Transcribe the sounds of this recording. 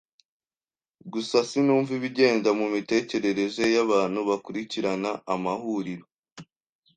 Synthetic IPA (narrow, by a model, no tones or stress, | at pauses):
ɡusasinuːɱviβiɟe̞ːndamumite̞ːce̞ɾe̞ɾe̞ʒe̞jaβaːn̥huβakuɾiciɾanaːmahuɾiɾo